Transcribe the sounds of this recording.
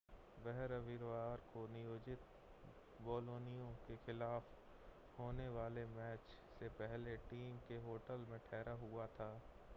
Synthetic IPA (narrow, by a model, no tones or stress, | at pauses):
bɛɦɛɾɐʋɪɾʋaːɾkonɪjoːd͡ʒɪt̪ | boːloːnijõkexɪlaːf | hoːneʋaːlemɛːt͡ʃ | sepɛɦleʈiːmkeɦoːʈəlmẽʈʰɛːɾaɦʊat̪ʰaː